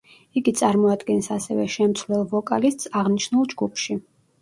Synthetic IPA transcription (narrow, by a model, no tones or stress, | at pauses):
iɡit̪sʼaɾmɔad̪ɡɛnsasɛvɛʃɛmt̪sʰvlɛlˠvɔkʼalist̪ʼsaʁniʃnulˠd͡ʒɡupʰʃi